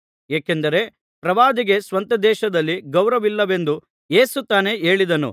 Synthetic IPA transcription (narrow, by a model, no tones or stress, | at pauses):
eːkend̪ɐɾe̞ | pɾɐʋaːd̪iɡe̞sʋɐnt̪ɐd̪ɛːʃɐd̪ɐlːiɡɐwɾɐʋilːɐʋe̞nd̪u | je̞ːsut̪aːne̞e̞ːɭid̪ɐnṵ